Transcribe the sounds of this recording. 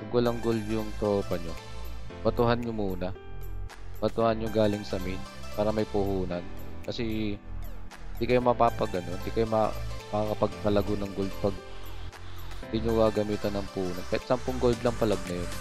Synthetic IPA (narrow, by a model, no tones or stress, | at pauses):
pɐɡɐlɐŋɡold̪jʊŋt̪ɾoːpɐɲob̥ɐt̪ʊhanɲomuːnɐ | b̥ɐt̪ʊhanɲoɡaːlɪŋsɐmɪnpaːɾɐmɐjpʊhuːnɐnkɐsɛ | ɪnd̪iːkɐjomɐpapɐɡɐnoɪnd̪ikɐjomɐmɐkakɐpɐɡ̚pɐlɐɡonɐŋɡo̞ld̪̚pɐɡ̚ | d̪ɪɲowaɡɐmiːt̪ɐnːɐŋpʊhuːnɐnkɐɪt̪sampoŋɡo̞ld̪lɐŋpɐlɐɡ̚nɐjon